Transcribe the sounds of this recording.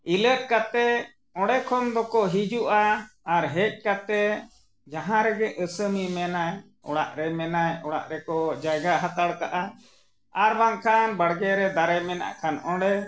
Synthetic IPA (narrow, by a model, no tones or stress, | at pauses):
iləʈ̚kat̪ɛ | ɔ̃ɽɛkʰɔmd̪ɔkɔɦid͡ʒuʔaːɾɦɛc̚ˀkat̪ɛ | d͡ʒaɦãɾɛɡɛʔəsəmimɛnaj | ɔ̰ɽa̰ʔɾɛmɛnajɔɽa̰ʔɾɛkɔd͡ʒajɡaɦat̪aɽkaʔa | aɾbaŋkʰanbaɽɡɛɾɛd̪aɾɛjmɛna̰ʔkʰanɔ̃ɽɛ